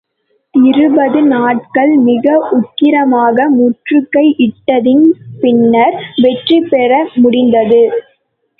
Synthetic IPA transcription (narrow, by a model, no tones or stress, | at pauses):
ɪɾɯbɐðɯnaːʈ̚kɐɭmɪɣɐʔʊʈ̚kɪɾɐmaːɣɐmʊʈrɯkːɐɪʔɪʈːɐðɪnpɪnːɐɾʋɛʈripɛɾɐmʊɽɪnd̪ɐðɯ